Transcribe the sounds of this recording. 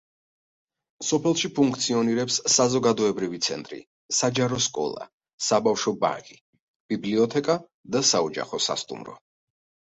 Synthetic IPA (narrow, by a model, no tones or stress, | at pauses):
sɔpʰɛlˠʃipʰuŋkʰt̪sʰiɔniɾɛpsːazɔɡad̪ɔɛbɾivit̪sʰɛ̰nt̪ʼɾḭ | sad͡ʒaɾɔskʼɔ̰lˠa̰ | sabafʃɔba̰ŋkʼi | b̥ibliɔt̪ʰɛkʼa | d̪asaɔd͡ʒa̰χɔsa̰st̪ʼṵmɾɔ̰